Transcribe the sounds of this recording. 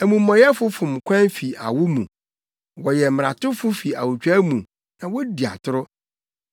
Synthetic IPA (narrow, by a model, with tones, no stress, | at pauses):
æ˨mũ˨mːɔ̃˨jɛ˦fʊ˦fʊ̃˨m˨kʷʰã˦nfi˨a̰˨wʊ˦mṵ̃˨ | wɔ˨jɛ˨m˨ɾa̰˨tʊ˦fʊ˦fi˨a˨wʊ˨t͡ɕᶣa˦mũ˨ | nã˨wɔ˦di˨a̰˨tʰʊ˦ɾʊ˦